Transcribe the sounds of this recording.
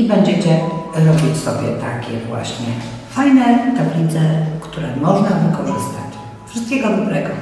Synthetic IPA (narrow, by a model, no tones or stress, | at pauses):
ibɛɲd͡ʑɛt͡ɕɛɾɔbʲit͡ɕsɔbʲjɛ̰t̪a̰kʲɛ̰vwa̰ɕɲɛfajnɛt̪ablʲit̪sɛkt̪uɾɛmɔʐnavɘkɔʐɘst̪a̰t͡ɕ | fʂɨst̪kʲɛɡɔd̪ɔbɾɛɡɔ